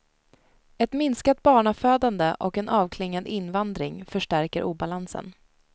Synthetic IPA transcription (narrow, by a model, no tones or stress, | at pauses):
ɛt̪mɪnskat̪̚bɑːɳaføːd̪and̪əʔɔkɛnʔɑːvkʰlɪŋːad̪ɪnvand̪ɾɪŋfœʂʈæɾkəɾʔuːbalansə̰n